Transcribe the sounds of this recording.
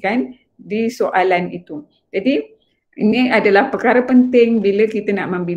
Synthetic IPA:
kan | disoʔalanit̪u | d͡ʒadi | inĩadalahpəkaɾəpənt̪ɪŋbiləkit̪anaʔmãmbi

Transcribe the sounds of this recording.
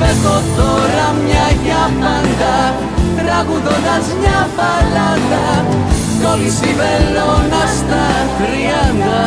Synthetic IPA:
peɣot̪oɾamiaʎamand̪a | t̪ɾaɣuðoðazɲavaland̪a | konsiβelonast̪a | kɾiand̪a

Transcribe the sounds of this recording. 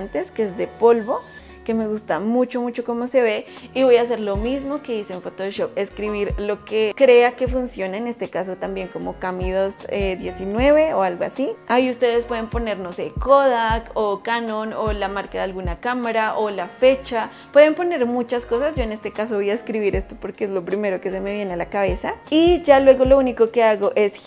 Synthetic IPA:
nt̪e̞skeezd̪e̞po̞lβo | ke̞me̞ɣust̪amut͡ʃo̞mut͡ʃo̞ko̞mo̞se̞βe̞ | iβo̞jas̬e̞ɾlo̞mizmoke̞ðiseɱfot̪oʃop̚e̞skɾiβiɾlo̞ke̞kɾe̞ake̞funsjo̞naene̞st̪e̞kas̬o̞t̪ambje̞ŋko̞mo̞kamiðo̞zeðje̞sinwe̞βeoalɣoa̰siaiust̪e̞ð̞e̞spwe̞ð̞e̞mpo̞ne̞ɾno̞se̞koðakokano̞nolamaɾkaðealɣunakamaɾaʔolafe̞t͡ʃa | pwe̞ðempo̞ne̞ɾmut͡ʃasko̞sazd͡ʒo̞ene̞st̪e̞kaso̞βijaeskɾiβiɾe̞st̪opo̞ɾkeezlo̞pɾime̞ɾo̞ke̞se̞me̞βje̞nealakaβe̞said͡ʒalwe̞ɣo̞lo̞uniko̞ke̞aɣo̞ʔe̞s

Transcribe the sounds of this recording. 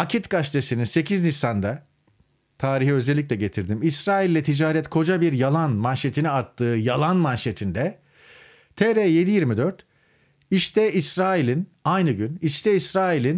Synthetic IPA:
acʰit̪kaʃt̪ʰesininse̞cʰiznisand̪a | t̪ʰaːɾiɦiø̞zɛlʲːic̬ʲlʲɛɟe̞t̪ʰiɾd̪imisɾaːilʲːɛt̪ʰid͡ʒaːɾɛt̪kʰo̞d͡ʒabiɾjalˠanmanʃet̪ʰiniat̪ʰːɯːjalˠanmanʃet̪ʰind̪ɛ | t̪ʰeɾɛje̞d̪ijiɾmid̪øɾt̪ | iʃt̪ʰɛisɾaːilʲinajnɯɟyniʃt̪ʰɛisɾaːilʲin

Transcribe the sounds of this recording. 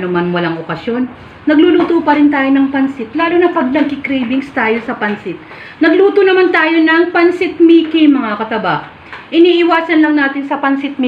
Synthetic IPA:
nomanwɐlaŋʔokɐsjo̞nː | ɐɡluluːt̪opɐɾɪnt̪aːjonɐŋpɐnsɪt̪̚laːlonɐpɐɡ̚nɐɡ̚kɪkɾɛjbɪŋst̪aːjolsɐpɐnsɪt̪̚ | nɐɡluːt̪onɐmant̪aːjo̞nɐŋpɐnsɪt̪̚mikɪjmɐŋakɐt̪ɐbaʔ | ʔɪniːʔɪwaːsɐnlɐŋnaːt̪ɪnsɐpɐnsɪt̪̚m

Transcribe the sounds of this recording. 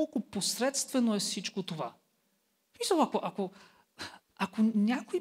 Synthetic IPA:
olˠkʊposɾɛt̪st̪vɛnoɛfsit͡ʃkot̪ova | smisəlˠakoʔako | akonʲakoi

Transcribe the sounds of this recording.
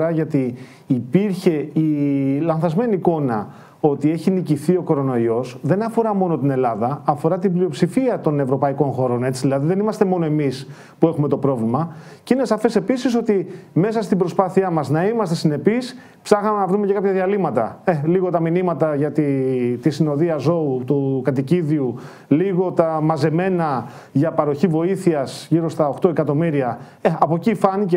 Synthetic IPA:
ɐʝɐt̪iː | piɾçe̞ilɐnθɐzme̞niːko̞nɐ | o̞t̪ie̞çiniciθio̞ko̞ɾo̞no̞io̞sðe̞nɐfo̞ɾɐmo̞no̞t̪ine̞lɐðɐːfo̞ɾɐt̪iblio̞psifiɐt̪o̞ne̞vɾo̞pɐiko̞nxo̞ɾo̞ne̞t͡siðilɐðiðe̞nimɐst̪emo̞no̞e̞mis | pue̞xume̞t̪o̞pɾo̞vlimɐceine̞sɐfe̞se̞pisiso̞t̪ime̞sɐst̪ibɾo̞spɐθiɐmɐznɐimɐst̪e̞sine̞pis | psɐxɐmenɐvɾume̞ce̞kɐpçɐðiɐlimɐt̪ɐ̰eliɣo̞t̪ɐminimɐt̪ɐʝɐt̪it̪isino̞ðiɐzo̞ut̪ukɐt̪iciðiu | liɣo̞t̪ɐmɐze̞me̞nɐ | ʝɐpɐɾo̞çivo̞iθiɐsʝiɾo̞st̪ɐoxt̪o̞e̞kɐt̪o̞miɾiɐ | eɐpo̞cifɐnice

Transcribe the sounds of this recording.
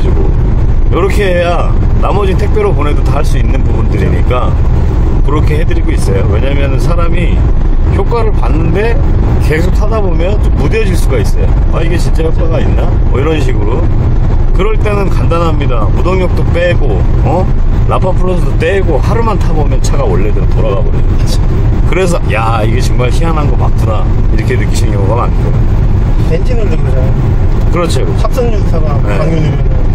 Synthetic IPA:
d͡ʑiɡo̰ | jʌɾʌkʰe̞eja | namʌd͡ʑintʰe̞k̚pʰjoɾopone̞dotaɦaɭs͈uinːɯnbubundɯɾḭɲḭk͈a | kɯɾʌkʰe̞ɦe̞dɯɾiɡois͈ʌjowe̞ɲamjʌnnsʰaɾami | çjok͈aɾɯɭpanːɯnde̞ | ke̞sʰok̚s͈ʰadabomjʌnt͡ɕomːudeʌd͡ʑiɭs͈uɡais͈ʌ̰jo̰ | aiɡe̞t͡ɕʰint͡ɕ͈ajok͈aɡainːa | mʌiɾʌnɕ̬ʰiɡɯɾo | kɯɾʌɭt͈e̞nɯnkandanɦamɲidamudoŋjok̚t͈op͈e̞ɡo | ʌ | lapʰapʰɯɾosʰʌdot͈eɡohaɾumantʰabomjʌnt͡ɕʰaɡaoɭːedetoɾaɡabo̰inʰ | kɯɾe̞sʰʌja | iɡe̞t͡ɕɯŋmaɭçianɦanɡʌmak̚tʰɯɾa | iɾʌkʰe̞nɯk͈iɕʰinjoŋoɡama̰nkʰoj | ed͡ʑinɯdɯ | a | kɯɾʌt͡ɕʰoas͈ʌisʰaɾajeaŋjoɲi

